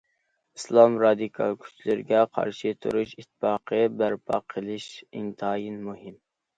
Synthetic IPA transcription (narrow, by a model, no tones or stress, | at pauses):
i̥slˠɑmɾɑd̪ɨkʰɑ̰lˠkʲʰy̥t͡ʃʰlɪɾɪɡʲɛqʰɑ̰ɾʃit̪ʰṵɾuʃit̪ʰːfɑːqʰəbæɾpʰɑ̰qʰːəlˠɪʃint̪ʰɑjinmuɦɪm